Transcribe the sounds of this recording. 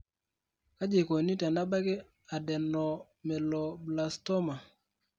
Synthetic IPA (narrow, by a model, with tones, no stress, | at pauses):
ka˦d͡ʒe˨ko˨ni˦ta˨na˦ba˦ke˦ | a˨dɛ˨nːɔ˨ | mɛ˨lɔ˨bla˨stɔ˦ma˨